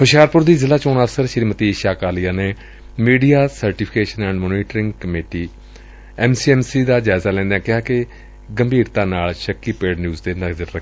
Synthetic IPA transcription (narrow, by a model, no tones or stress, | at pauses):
hʊʃjaːɾpʊɾd̪iːzɪlaːt͡ʃoːnaːsəɾʃəɾiːmət̪iːɪʃaːkaːlɪjaːneː | miːɖijaːsəɾʈiːpʰɪkeːʃənɛ̃ːɳɖmoːniːʈɾɪ̃ŋɡkəmeːʈiː | ɛːmsiɛːmsiːd̪aːd͡ʒaːɪzaːlɛ̃ːnd̪eɛ̃ːkɪɦaːkɪ | ɡəmbʱiːɾt̪ãːnaːlʃəkːiːpeːɖnjuːzd̪eːnəɡd̪əɾɾəkː